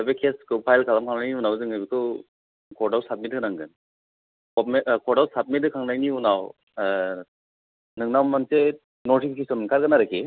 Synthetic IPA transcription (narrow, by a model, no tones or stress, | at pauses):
ɯbekʰeskʰɯpʰajlkʰalamkʰaŋnajniunawzɯŋɯbikʰɯ | kʰɔdawsap̚mitɯkɯnaŋɡɯn | kɔmekʰɔɽawsap̚mitɯkʰaŋnajniunaw | nɯŋnawmanse | nɔʈʰikʰkʰisɔnɯnkʰaɾɡanaɾɯkʰe